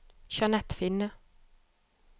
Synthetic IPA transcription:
ʃɑnɛt̪fɪnə

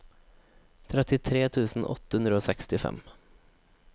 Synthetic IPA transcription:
t̪ʰɾɛt̪ɪt̪ʰɾeːt̪ʰʉːsn̩ʔɔ̰t̪ːəhʉnd̪ɾəoːsɛkst̪ɪfɛ̰m

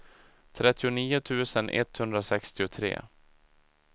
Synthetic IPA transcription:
t̪ʰɾɛt̪ːɪʊniːʊt̪ʰʉ̟ːsənʔɛ̰t̪hɵnd̪ɾasɛkst̪ɪʊt̪ʰɾḛː

